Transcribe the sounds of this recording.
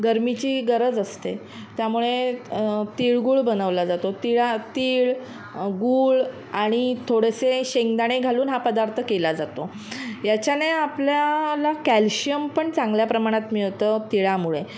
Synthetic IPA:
ɡəɾmit͡ɕiːɡəɾəd͡zəst̪e | t̪jamuɭe | t̪iɭɡuːɭbənəʋlad͡zat̪ot̪iɭat̪iɭ | ɡuːɭ | aɽ̃it̪ʰoɽeseɕeŋd̪aɽ̃eɡʱaluːnɦapəd̪aɾt̪ʰəkelad͡zat̪o | jat͡ɕjaneapljalakælɕijəmpəɳt͡sãŋɡljapɾəmaɽ̃at̪mit̪ət̪iɭamuɭe

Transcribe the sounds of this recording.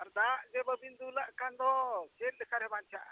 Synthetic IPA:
aɾd̪aʔd͡ʒɛbəbind̪ulaʔkand̪ɔt͡ʃet̪̚lɛkʰaɾɛbant͡ʃʰaʔ

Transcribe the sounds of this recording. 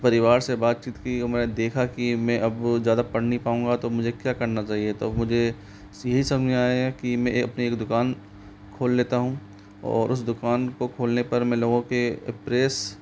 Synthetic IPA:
pɐɾɪʋaːɾsebaːt̪̚t͡ʃiːt̪kimɛːned̪eːkʰakimɛ̃ʔɐbzjaːd̪apɐɽ̤nipaːũːŋɡat̪omʊd͡ʒʱekjaːkɐɾnat͡ʃaːɦiet̪o̰ɐmʊd͡ʒʱe | jɐɦisɐmeaːeɛkimɛ̃ɐpnieːkd̪ʊkaːn | kʰoːlːeːt̪aɦũː | ɔ̰ːɾʔʊsd̪ʊkaːnkokʰoːlnepɐɾmɛ̃loːɡõkepɾeːs

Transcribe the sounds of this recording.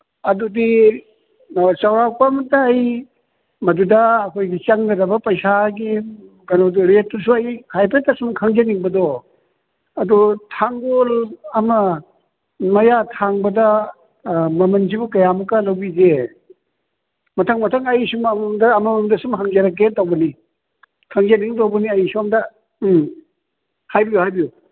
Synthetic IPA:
ɐdudi | t͡ʃawɾak̚pɐmɐtaːj | mɐdudɐːkʰojɡit͡ʃɐŋɡɐdɐbɐpɐjsaɡi | ɡɐnodɾet̚ːusuɐjhajpʰetːɐsumkʰaŋd͡ʒɐniŋbɐdo | ɐdutʰaŋɡolɐmɐ | mɐjatʰaŋbɐdɐ | mɐmɐnz̬ibukɐjamukːɐlɐwbize | mɐtʰɐŋmɐtʰɐŋɐjisumɐmdɐːmɐmɐmdɐsumɦaŋzɐɾɐk̬ːetawbɐni | kʰaŋzɐniŋt̬owbɐniɐjisuɐmdɐ | hajbijuhajbiju

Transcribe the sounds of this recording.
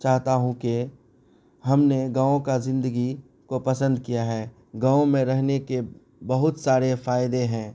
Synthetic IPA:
t͡ʃaːɦt̪aɦũke | ɦɐmneɡãːõkazɪ̃nd̪əɡi | kopɐsə̃nd̪kijaɦɛː | ɡãːõmẽɾɛɦneke | bɐɦʊt̪saːɾefaːjd̪eɦɛ̃ː

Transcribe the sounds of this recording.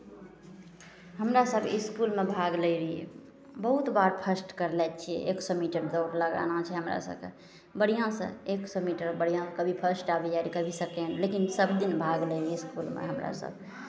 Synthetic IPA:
ɦəmɾasəbʱiskulmebʱaɡləɾiḛ | bəɦut̪baɾpʰəsʈkəɾlɛt̪̚t͡ʃʰḭeksɔmiʈəɾd̪oʈləɡa̰nat͡ʃʰɛɦəmɾa̰sə̰b̚kḛ | bəɽ̤ijãsə̰̃eksɔmiʈəɾbəɽ̤ijãkəbʱipʰəsʈabɛd͡ʒaɾikəbʱisəkenlekinsəbʱd̪inbʱaɡləɾeskulmḛɦəmɾa̰sə̰b̚ʱ

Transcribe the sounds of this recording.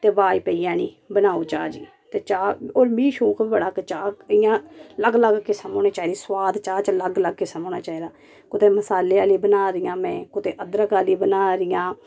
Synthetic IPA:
t̪eːbaːiːpəijãːniː | bənaːoːt͡ʃaːd͡ʒi | t̪eːt͡ʃaːoːɾmĩːʃũːkʰibəɽaːkət͡ʃaːɪjãːləɡləɡkesəmõːneːt͡ʃaːid̪iːsʋaːd̪t͡ʃaːt͡ʃləɡləɡ̚kesəmoːnaːt͡ʃaːid̪aː | kʊt̪eːməsaːleːaːliːbənaːɾɪjãːmɛ̃ːkʊt̪eːʔəd̪ɾəkaːliːbənaːɾɪjãː

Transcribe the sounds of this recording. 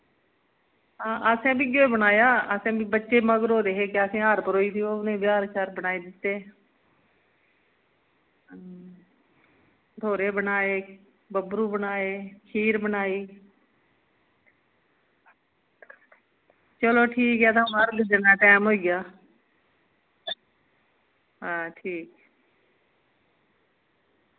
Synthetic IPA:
ɦãːʔəsẽːbiːɡoeːbənaːjaːəsẽːbiːbətːʃeːməɡɾoːd̪eːɦeːkeəsẽːəɾpəɾoːiːt̪ioːnẽːbjaːɾt͡ʃaːɾbənaːeːd̪ɪt̪ːeː | ʈ̪oːɾeːbənaːeː | bəbɾuːbənaːeːkʰiːɾbənaːiː | t͡ʃəloːʈʰiːkɛːd̪aməɾɡd̪ɪnːaːʈɛːmɦoːiːɡjaː | ɦãːʈʰiːk

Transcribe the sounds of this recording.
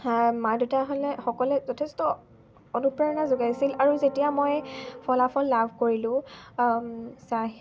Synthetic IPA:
madutaɦolɛxɔkɔlɛzɔtʰɛstɔ | onupɹaɹɔnazoɡajsilaɹuzetijamojpʰɔlapʰɔlːabʱkoɹilʊ̃ | saɦ

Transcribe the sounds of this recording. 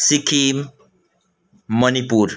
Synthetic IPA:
sikʰim | ʌnipuɾ

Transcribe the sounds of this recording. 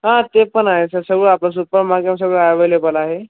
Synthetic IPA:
ɦãt̪epəɳaɦesəsəɡɭəaplas̬upəɾmaɡams̬əɡɭəajʋəjlebəlaːɦe

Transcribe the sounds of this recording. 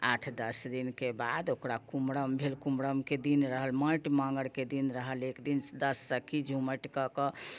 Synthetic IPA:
aʈʰd̪əsd̪inkebad̪okɾakumɽəmbʱelkumɽəmked̪inɾəɦəlmə̃ʈmãŋɡəɽked̪inɾəɦəlekd̪ind̪əsːəkʰid͡ʒʱuməʈkəkə

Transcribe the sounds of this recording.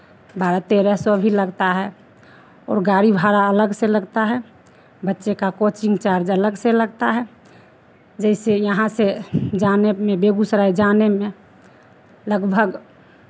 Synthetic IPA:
baɾat̪eɾɛsobʱiləɡt̪aɦɛ | ɔ̰ːɾɡaɾibʱaɾaələɡseləɡt̪aɦɛ | bətːʃekakot͡ʃɪ̃ŋɡt͡ʃaɾd͡ʒələɡseləɡt̪aɦɛ | d͡ʒɛɪsejəɦãsed͡ʒanemẽbeɡusɾaid͡ʒanemẽ | ləɡbʱəɡ

